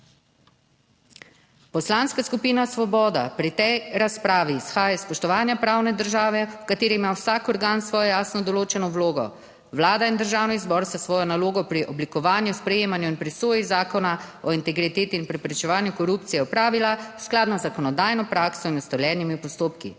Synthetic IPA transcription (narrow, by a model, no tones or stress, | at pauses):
pɔslanskaskupiːnasʋɔbɔːd̪apɾit̪ɛjɾaspɾaːʋiːsxaːjaspɔʃt̪ɔʋaːnjapɾaːwnɛd̪əɾʒaːʋɛwkat̪eːɾiimawsaːkɔɾɡaːnsʋɔːjɔjaːsnɔd̪ɔloːt͡ʃɛnɔwloːɡɔ̰ | ʋlaːd̪aind̪əɾʒaːwniizbɔɾst̪asʋɔːjɔnaloːɡɔpɾiʔɔblikɔʋaːnjuspɾɛjeːmanjuinpɾisoːjizaːkɔnaɔint̪ɛɡɾit̪eːt̪iinpɾɛpɾɛt͡ʃɛʋaːnjukɔɾuːpt̪sijɛɔpɾaːʋilasklaːd̪nazakɔnɔd̪aːjnɔpɾaːksɔinɔst̪ɔljɛːnimipɔst̪oːpkḭ